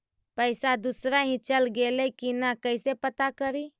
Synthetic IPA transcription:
pəɪsad̪usɾaɦĩt͡ʃəlɡeləikinakəsepət̪akəɾiː

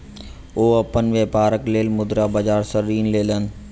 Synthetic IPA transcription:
oːɐpənʋeːpaːɾəkleːlmʊd̪ɾaːbɐd͡ʒaːɾsəɾiːnleːlən̆

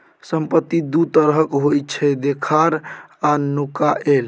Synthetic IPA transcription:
səmpət̪ːid̪ut̪əɾɦəkɦojtt͡ʃʰɛd̪ekʰaɾanukaʔel

